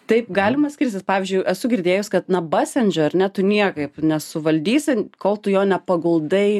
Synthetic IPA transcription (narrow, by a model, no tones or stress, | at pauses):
t̪ɐɪpɡɑːlʲɪmɐsʲkʲɪɾʲsʲɪspɑːʋʲiːzʲd͡ʒʲʊɪʔɛsʊɡʲɪɾʲd̪ʲeːjʊskɐt̪nɐbɑsʲɛnʲd͡ʒʲoɐɾʲnʲɛt̪ʊnʲiɛkɐɪpnʲɛsʊʋɐlʲd̪ʲiːsʲɪkoːlˠt̪ʊjoːnʲɛpɐɡʊlˠd̪ɐɪ